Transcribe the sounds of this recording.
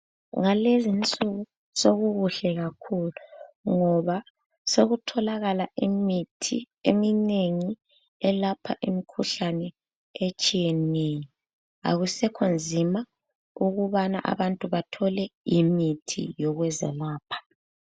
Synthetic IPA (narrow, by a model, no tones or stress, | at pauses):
ŋalezint͡sʼuɣu | soɣuɣuɬɛɣakʰuluŋɔβa | soɣutʰɔlaɣalaimitʰḭ | ḛmineŋi | ɛlapʰa̰ʔemikʰuɬanɛ | et͡ʃʼijenejɔ | a̰ɣusɛkʰond͡zʱima | uɣuβana̰ʔa̰βantʼuβatʰɔlɛimitʰḭjɔɣwɛzɛ̰laːpʰḁ